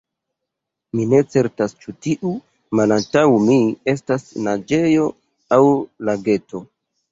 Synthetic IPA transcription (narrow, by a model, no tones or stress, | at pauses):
mine̞t͡se̞ɾtast͡ʃutiʔu | malantawmie̞s̬tasnad͡ʒe̞jo̞ | awlaɡe̞to̞